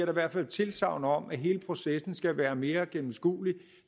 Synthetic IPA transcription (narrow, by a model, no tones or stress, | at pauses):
ɐɾɑ̈iʋæɐ̰̥fæl̰t͡sʰe̝lsɑ̈ʊnəɒ̽m̰æɦe̝ːləpʰʁo̝sesn̩sɡ̥æʋæːɐme̝ːɐɡ̥emm̩sɡ̥ṵːli